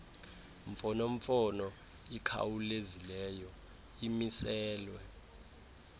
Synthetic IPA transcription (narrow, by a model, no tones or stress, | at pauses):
ɱfɔnoɱfɔnɔ | ikʰa̰wulezilɛːjɔ | imisɛːlwɛ